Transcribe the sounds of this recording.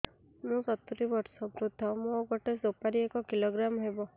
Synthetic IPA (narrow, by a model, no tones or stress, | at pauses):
mũsɔt̪uɾibɔɾsɔbɾud̪ʱːɔmũɡɔʈesopaɾiekɔkiloɡɾamɔɦebɔ